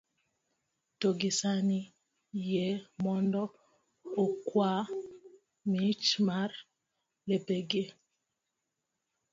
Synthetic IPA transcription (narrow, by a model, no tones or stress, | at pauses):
toɡɪsani | jemɔndɔ | okwa | mit͡ʃmar | lepeɡe